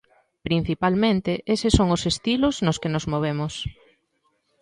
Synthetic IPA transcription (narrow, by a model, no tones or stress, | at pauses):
pɾin̟θipalmẽnt̪eʔesesoŋʊsest̪iloznʊskenozmoβ̞emʊs